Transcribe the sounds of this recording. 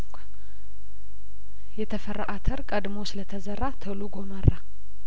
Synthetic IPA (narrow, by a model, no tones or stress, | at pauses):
jɛt̪ʰəfəraʔat̪ʰəɾkʼəd̪mosɨlət̪ʰəzərːat̪ʰəluɡo̞mərːa